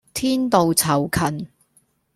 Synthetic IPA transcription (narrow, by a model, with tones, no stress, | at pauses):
t̪ʰiː˥nt̪o˨˧wt͡sʰɐ˨˩wkʰɐ˨˩n